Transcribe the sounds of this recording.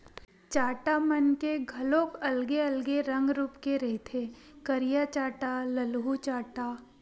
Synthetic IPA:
t͡ʃaːʈamɐnkeɡʱɐlõːkɐlɡeɐlɡeɾɐ̃ŋɡɾuːpkeɾɐɦet̪ʰe | kɐɾijat͡ʃaːʈalɐlɦut͡ʃaːʈaː

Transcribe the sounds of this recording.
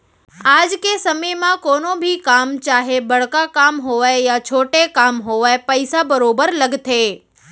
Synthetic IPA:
ad͡ʒkesəməjmãkonobʱikamt͡ʃaɦebəɭkakamɦoʋaejat͡ʃʰoʈekamɦoʋaepəjsabəɾobəɾləɡt̪ʰe

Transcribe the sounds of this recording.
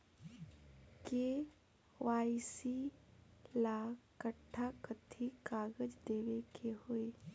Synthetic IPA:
keː | ʋaːisi | laːkːəʈʰːakət̪ʰːikaːɡəd͡ʒd̪eːʋekʰeɦoːeː

